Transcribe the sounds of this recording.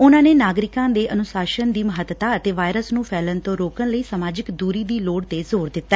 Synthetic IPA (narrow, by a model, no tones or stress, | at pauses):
ʊnãːneːnaːɡɾɪkãːd̪eːʔənʊsaːʃənd̪iːməɦət̪ːt̪aːət̪eːʋaːjɾəsnũːpʰɛːlənt̪õːɾoːkənləiːsəmaːd͡ʒɪkd̪uːɾiːd̪iːloːɽt̪eːzoːɾd̪ɪt̪ːaɛ